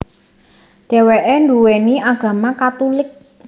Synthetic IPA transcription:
ɖ̥ɛ̤weʔɛnduweniʔaɡ̥a̤makat̪ulɪk̚

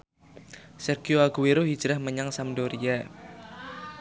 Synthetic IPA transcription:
sɛrɡ̥ioaɡ̥uweɾoɦid̥d͡ʒ̥ɾahməɲaŋsamdoɾia

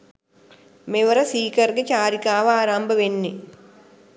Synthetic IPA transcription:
meʋəɾəsiːkɐrɡet͡ʃaːɾikaːʋaaːɾambəʋenːi

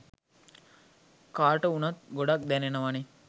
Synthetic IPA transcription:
kaːʈəunɐt̪̚ɡoɖak̚d̪ɛnenəʋane

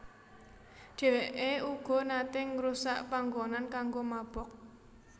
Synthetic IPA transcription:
ʒ̥ɛ̤weʔeuɡ̥ɔ̤nat̪ɪŋɾusaʔpaŋɡonankaŋɡomab̥ɔk̚

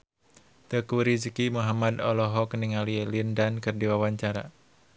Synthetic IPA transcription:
t̪əkuɾizəkimuɦamad̪ɔlɔɦɔkəniŋalilindankɨrdiwawaɲt͡ʃaɾa̰

